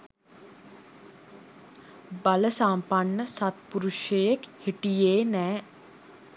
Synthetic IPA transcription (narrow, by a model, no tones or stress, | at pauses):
baləsampaɳːəsat̪puɾuʃjəjekhiʈijeːnɛː